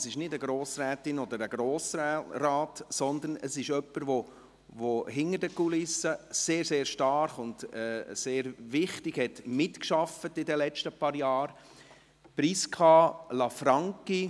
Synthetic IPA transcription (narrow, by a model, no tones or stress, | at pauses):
sɪʃnɪdəɡɾoːsɾɛːtɪnɔd̪əɾəɡ̥ɾoːsraːtsɔnd̪ənəsɪʃœpːəɾʋo | ʋoɦɪŋəɾdəkulɪsːəseːɾseːɾʃtɑɾχʊndɛseːɾvɪχtɪɡ̥hɛtmɪtkʃɑfətɪdɛlɛt͡ʃtəpɑːɾjɑːɾ | pɾiskʰɑlɑfɾɑŋki